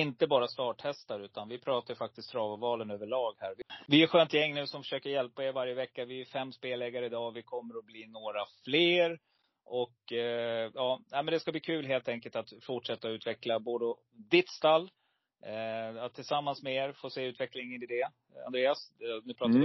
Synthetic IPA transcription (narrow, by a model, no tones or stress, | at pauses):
ɪnt̪əbɑːɾast̪ɑːʈhɛst̪aɾʉ̟ːt̪anvɪpʰɾɑːt̪ajfak̚t̪ɪst̪ʰːɾɑːvʊvɑːlənøːvəɭɑːɡhæːɾvɪvɪɛɧøːnt̪jɛŋːnʉ̟ːsɔmfœ̥ʂøːkəɾjɛlpaeːɾvaɾjəvɛkːavɪæɾfɛmːspeːlɛɡaɾəɪd̪ɑːvɪkʰɔmːəɾɔbliːnoːɾafleːɾ | ʔɔk | jɑːnæɪmɛnd̪ɛskabliːkʰʉ̟ːlɦeːlt̪ʰɛŋkəlt̪at̪fʊʈʂɛt̪ːaʉ̟ːt̪vɛklaboːd̪əɔ | d̪ɪt̪st̪alː | at̪ʰːɪlsamːansmɛeːɾfoːseːʉ̟ːt̪vɛklɪŋənɪd̪eː | a̰nd̪ɾeːasnʉpɾɑːa